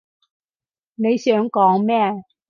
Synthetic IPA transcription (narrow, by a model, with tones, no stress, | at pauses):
ne˨˧jsœː˨˥ŋkɔː˨˥ŋmɛː˥˩˨